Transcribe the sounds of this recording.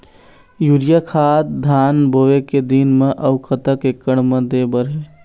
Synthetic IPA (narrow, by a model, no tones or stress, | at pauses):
juɾijəkʰat̪d̪ʱanboʋeked̪inmeʔəʊkʰət̪əkekːəɽ̃med̪ebəɾɦe